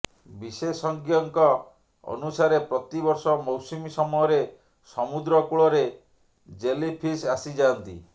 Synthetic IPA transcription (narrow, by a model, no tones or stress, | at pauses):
bisesɔŋkjɔŋkɔ | ɔ̰nusaɾepɾɔt̪ibɔɾsɔmɔwsimisɔmujɔɾe | sɔmud̪ɾɔkuɭɔɾe | d͡ʒelipʰisasid͡ʒaːnt̪ḭ